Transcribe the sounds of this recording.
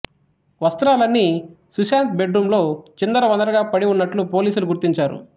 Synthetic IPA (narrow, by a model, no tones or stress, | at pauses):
ʋɐst̪ɐɾaːlɐnːi | susaːnt̪̚be̞ɖɾuːmlo̞ːt͡ʃind̪ɐɾɐʋɐnd̪ɐɾɐɡaːpɐɽiunːɐʈlupoːliːsuluɡuɾt̪iɲt͡ʃaːɾṵ